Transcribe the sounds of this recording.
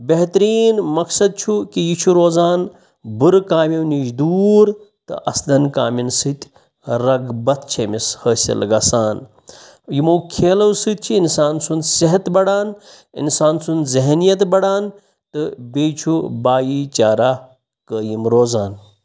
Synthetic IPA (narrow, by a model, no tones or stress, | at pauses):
beɦt̪ɾiːnmɐksɐd̪̚t͡ʃʰukijit͡ʃʰuɾoːzaːn | bɨɾkaːmiwnid͡ʒd̪uːɾ | t̪ɨ̰ʔɐslɐnkaːminsɨt̪ʲ | ɾɐɡbɐt̪̚ʰt͡ʃʰemishəːsʲɐ̰lɡɐsaːn | jimɐwkʰeːlɐwsɨt̪̚t͡ʃʰiːnsaːnsund̪siɦɐt̪bɐɽaːn | ḭnsaːnsund̪zeɦnijɐt̪bɐɽaːn | t̪ɨbeːt͡ʃʰubaːjit͡ʃaːɾaː | kəːjimɾoːzaːn